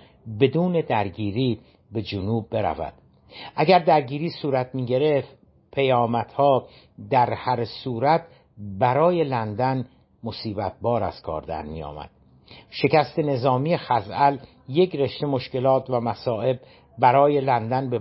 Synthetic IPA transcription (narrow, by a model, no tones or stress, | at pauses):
be̞d̪uːne̞d̪æɾɟiːɾiː | be̞d͡ʒonuːb̚ːe̞ɾæ̰væ̰d̪̥ | ʔæɡæɾd̪æɾɟiːɾiːsuːɾæt̪̚ʰmiːɟe̞ɾe̞ft̪ | pʰe̞jɒːmæt̪hɒː | d̪æɾhæɾsuːɾæt̪ | bæɾɒːje̞lænd̪æn | mosiːbæt̪̚bɒːɾæ̰z̥kʰɒ̰ːɾd̪æ̰ɾmḭjɒ̰ːmæ̰d̪̥ | ʃe̞cæst̪e̞ne̞zɒːmijexæzæl | je̞kɾe̞ʃt̪e̞mo̞ʃce̞lɒːt̪ʰvæmæsɒːe̞b | bæɾɒːje̞lænd̪ænbe